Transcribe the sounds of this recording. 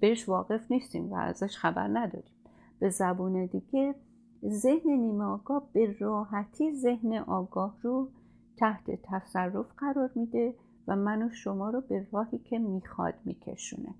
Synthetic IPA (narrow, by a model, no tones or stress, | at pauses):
b̥eheʃvɒːɣe̞fniːst̪ḭːmvæ̰æ̰zæʃxæbæ̰ɾnæd̪ɒ̰ɾim | b̥e̞zæbuːned̪iːɡe | ze̞hne̞niːmeɒːɡɒːhb̥e̞rɒːɦæt̪ʰiːze̞hneʔɒːɡɒːhru | t̪ʰæht̪ʰe̞̰t̪ʰæsærːofɢæɾɒːɾmiːd̪e̞ | væmænoʃo̞mɒːɾobe̞rɒːhiːcʰe̞miːxɒ̰d̪̥mḭːcʰḛʃṵːnḛ